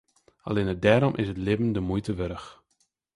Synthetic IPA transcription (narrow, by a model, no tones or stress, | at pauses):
a̰leːnədɛːɾɔmʔɪsətlɪvəndəmujtəʋøɾəx